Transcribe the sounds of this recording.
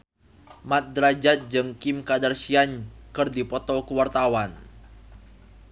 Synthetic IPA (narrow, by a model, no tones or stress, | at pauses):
mat̪̚dɾad͡ʒat̪̚d͡ʒɨŋkimkadarsiaɲkɨrdipɔt̪ɔkəwart̪awan